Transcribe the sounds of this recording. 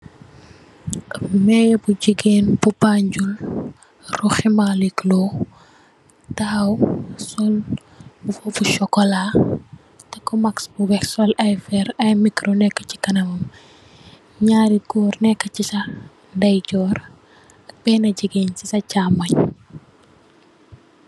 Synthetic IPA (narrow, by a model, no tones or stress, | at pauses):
mɛjɛbuɟiɡeːnbubaɲɟul | rɔximaliklɔ | tawsɔl | ufɔbuʃɔkːɔla | tɐkːɔmaksbuwɛksɔlɐjfɛɾɐjmikɾonɛkːə̥ci̥kɐnɐmɐm | ɲaːɾiɡɔːrnɛkːəcisɐ | dɐjcɔːɾ | ɐk̚bɛːnɐɟiɡeːncisɐcaːmːɐɲ